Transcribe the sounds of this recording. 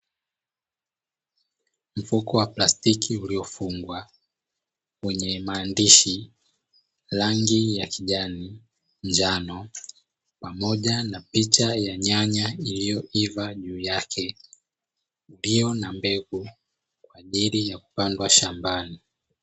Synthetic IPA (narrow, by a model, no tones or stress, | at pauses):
m̩fukɔwaplastikʰiuliɔfuŋɡwa | kwɛɲɛmaːndiʃi | laŋɡijakiʄani | nd͡ʒanɔ | pamɔʄanapit͡ʃajaɲaɲailijɔʔivaʄuːjakʰɛ | uliɔnambɛɡu | kwaːʄilijaku̥pandwaʃambani